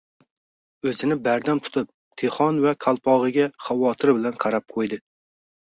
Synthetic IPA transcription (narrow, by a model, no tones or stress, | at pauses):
ɵzɪnɪbæɾd̪ant̪ʰʊ̥t̪ʰɨp̚ | t̪ʰeχɒnvækʲʰɑlˠpʰɑʁɨɡʲɛχɑwɒt̪ʰɪɾbɪlænqʰɑɾɑp̚qʰojd̪ɪ